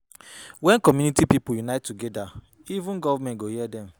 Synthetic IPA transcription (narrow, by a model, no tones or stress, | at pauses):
wɛ̃nkɔmjunitipipujunaɪtːuɡɛda | ivũnɡɔvamɛ̃ntɡohiɛdɛ̃m